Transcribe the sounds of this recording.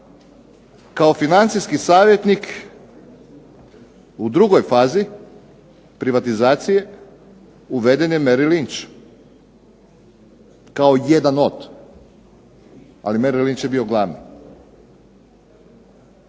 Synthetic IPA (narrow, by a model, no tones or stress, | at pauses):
kaofinant̪sijskisaːʋje̞t̪nik | ud̪ɾuɡo̞jfaːzi | pɾiʋat̪izaːt̪sije̞ | uʋe̞d̪e̞njemeɾilint͡ʃ | kaoje̞d̪anot̪ | a̰limeɾilint͡ʃjebio̞ɡlˠaːʋnḭ